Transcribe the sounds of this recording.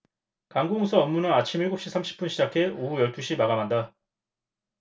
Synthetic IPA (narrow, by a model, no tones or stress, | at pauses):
kaŋɡoŋsʰʌʌmːunɯnat͡ɕʰimiɭɡop̚ɕ͈isʰamɕ͈ʰi̥p͈unɕʰid͡ʑakʰe̞oɦujʌɭt͈ʰuɕʰimaɡamanda